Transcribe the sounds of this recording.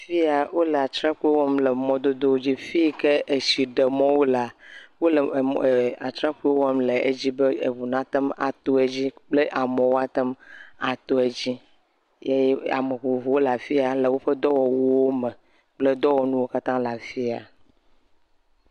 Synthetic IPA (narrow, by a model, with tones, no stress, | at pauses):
fi˦a˨wo˦le˨a˨t̪ɾa˦ku˦e˦wɔ˦mle˨mɔ̃˦d̪o˦d̪o˦wo˦d͡ʑi˦fi˦ke˦e˨si˨ɖe˨mɔ̃˦wo˦la˨wo˦le˨a˨t̪ɾa˦ku˦e˦wɔ˦mle˨ḛ˦d͡ʑi˦be˦e˨vu˨nã˨t̪ɛ˦ma̰˨t̪o˦e˨d͡ʑi˦k͡ple˦ʔa˨mɔ̃˨wo˦a˦t̪ɛ˦ma˨t̪o˦e˨d͡ʑi˦ | je˦je˦a̰˨me˨ɦo˨vo˨wo˦la˨fi˦a˨le˨wo˦ɸɛ˦d̪ɔ˦wɔ˨wo˦wo˦mɛ̃˨ | k͡ple˦d̪ɔ˦wɔ˨nũ˦wo˦ka˦t̪ã˦la˨fi˦a̰˨